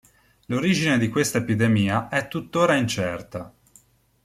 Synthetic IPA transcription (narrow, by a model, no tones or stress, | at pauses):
loɾiːd͡ʒined̪ikwest̪aepid̪emiːaʔɛt̪ːut̪ːoːɾaint͡ʃɛrt̪a